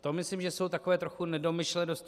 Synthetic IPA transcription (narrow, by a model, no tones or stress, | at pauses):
t̪omɪslimʒɛso̞wt̪akovɛːt̪ɾo̞xunɛdo̞mɪʃlɛnos